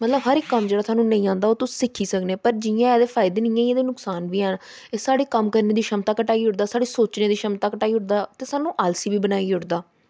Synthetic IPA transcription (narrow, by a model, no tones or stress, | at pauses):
mət̪ləbɦəɾɪkːəmd͡ʒeːɽaːsaːnũːnə̃ĩːãːnd̪aːoːt̪ʊssɪkʰːiːsəkneːpəɾd͡ʒɪjãːɛːd̪eːfʰaːɪd̪eːnɪjãːieːd̪eːnʊksaːnbiːɛn | eːsaːɽeːkəmkəɾneːd̪iːʃəmt̪aːkəʈaːiːɦʊʈd̪aːsaːɽeːsoːt͡ʃneːd̪iːʃəmt̪aːkəʈaːiːɦʊʈd̪aːt̪eːsaːnũːʔaːlsiːbiːbənaːiːʊʈd̪aː